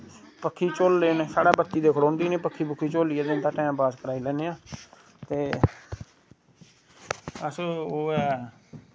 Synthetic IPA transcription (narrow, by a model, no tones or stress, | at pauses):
pəkʰːiːt͡ʃoːlːeːneːsaːɽaːbət̪ːiːd̪eːkʰɽõːnd̪iːniːpəkʰːiːbʊkʰːiːt͡ʃoːliːɛːd̪ɪnt̪ãːʈɛ̃ːbaːskəɾaːiːlɛːneːãː | t̪eː | əsoːɛː